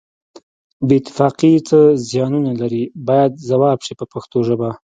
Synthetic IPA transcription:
bet̪ːɪ̥fɑqit͡səzjɑnunalaɾibɑjad̪̚zawɑbʂipəpaxt̪oʒəba

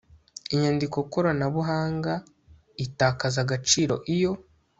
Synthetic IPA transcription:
iɲandiko̞ikoɾanaβuɦaːŋɡa | itaːkazaɡat͡ʃiːɾo̞̰ʔijo̞

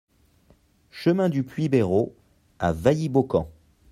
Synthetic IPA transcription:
ʃəmɛ̃d̪yplɥibeʁo | a̰vajibokɑ̃

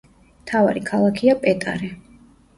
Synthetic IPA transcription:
mt̪ʰava̰ɾikʰalˠakʰiapʼɛt̪ʼa̰ɾɛ

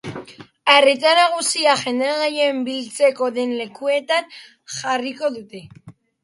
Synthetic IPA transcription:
arit̪anaɣ̞usiaxe̞nd̪eaɣaje̞mbilt͡se̞ko̞ðe̞nle̞kue̞t̪an | ʝariko̞ðut̪e̞

